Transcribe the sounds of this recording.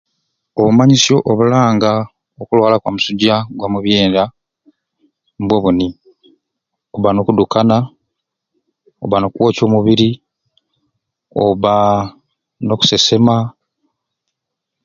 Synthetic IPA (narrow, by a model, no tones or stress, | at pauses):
o̞βumaɲisjo̞ʔoβulaːŋɡa | okulwaːlakwa̰musuɟaɡwamuβjeːnda | mbwo̞βuni | oβano̞kudukana | o̰βano̞kuwo̞ːco̞ːmuβiɾi | oβa | no̞ku̥se̞se̞ma